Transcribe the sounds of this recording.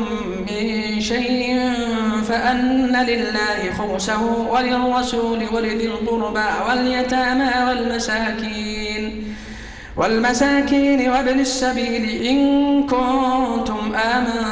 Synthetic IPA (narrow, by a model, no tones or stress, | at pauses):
mː | ɪn | ʃajʔɪn | faʔanːalɪlːaːhɪxʊɾsahʊwalɪrˤːɑsuːlɪwaɾɪd̪alɣʊɾbawaljat̪aːmawalmasaːkiːn | wʔalmasaːkiːnɪwablasːabiːlɪʔɪnkʊnnt̪ʊmʔaːma